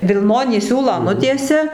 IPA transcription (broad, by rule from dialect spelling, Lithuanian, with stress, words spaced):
ʋʲɪlˠˈnoːnʲiː ˈsʲuːlˠɑː ˈnʊtʲiɛsʲɛ